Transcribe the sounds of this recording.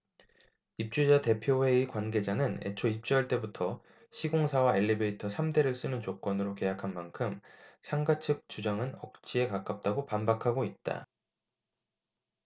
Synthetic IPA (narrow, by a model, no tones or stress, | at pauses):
ip̚t͡ɕ͈ud͡ʑate̞pʰjowe̞ikwanɡe̞d͡ʑanɯne̞̰t͡ɕʰoiɕp̚t͡ɕ͈ʌɭt͈e̞butʰʌ | ɕʰiɡoŋsʰawae̞ʎːibe̞itʰʌsʰamde̞ɾɯɭs͈ɯnɯnt͡ɕok͈ʌnɯɾoke̞jakʰanmankʰɯmsʰaŋɡat͡ɕʰɯk̚t͡ɕ͈ud͡ʑaŋɯnʌk̚t͡ɕ͈ʰie̞kak͈ap̚t͈aɡopambakʰaɡoit̚t͈a̰